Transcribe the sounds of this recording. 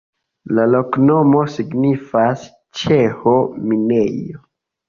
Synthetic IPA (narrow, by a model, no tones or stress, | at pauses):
lalo̞knomo̞siɡnifas | t͡ʃe̞homine̞jo